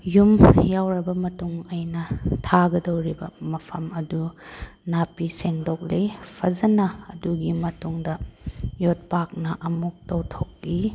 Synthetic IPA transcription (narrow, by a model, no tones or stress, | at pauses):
jumjawɾɐbɐmɐtuŋɐjnɐtʰaɡɐdɐwɾibɐmɐpʰɐmɐdunapiseŋdok̚lepʰɐzɐnɐːduɡimɐtuŋdɐjot̚pak̚nɐʔɐmuk̚tɐwtʰokːi